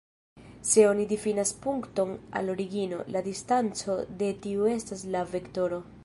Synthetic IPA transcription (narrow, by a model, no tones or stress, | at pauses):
se̞o̞nidifinaspuŋkto̞na̰lo̞ɾiɡino̞ladistant͡so̞de̞tiue̞staslave̞kto̞ɾo̞